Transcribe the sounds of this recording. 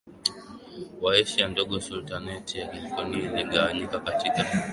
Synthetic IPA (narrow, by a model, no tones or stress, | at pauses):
waɛʃijandɔɠɔsultanɛtijakɛlkɔniliɠawaɲikakatika